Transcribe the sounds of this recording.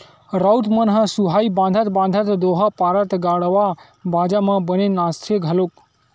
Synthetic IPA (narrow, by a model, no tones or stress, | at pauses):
ɾawt̪mənɦəsuɦaibãːnd̪ʱət̪bãːnd̪ʱət̪d̪oɦəpaɾət̪ɡaɽʋa | bʱaːd͡ʒamãbənenast̪ʰeɡʱəlok